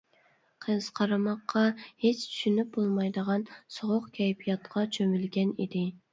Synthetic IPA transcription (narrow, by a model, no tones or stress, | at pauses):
qʰəz̥qʰɑɾɑmɑqʰːɑhet͡ʃt͡ʃ̪ʰy̥ʃynyp̚bolˠmɑjd̪əʁɑnsoʁoqkʲʰɛjpʰijɑt̪qʰɑt͡ʃʰømylɡʲɛnḭd̪ɪ